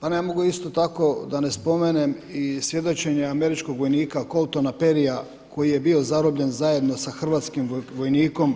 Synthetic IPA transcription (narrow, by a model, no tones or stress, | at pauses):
panemo̞ɡuist̪o̞t̪ako̞d̪ane̞spo̞mene̞misʋje̞d̪o̞t͡ʃe̞ɲeame̞ɾit͡ʃkoɡʋo̞jniːkako̞lt̪onape̞ɾija | kʰo̞jije̞bio̞zaɾobʎe̞nzaje̞d̪no̞saxr̩ʋaːt̪skimʋo̞jniːko̞m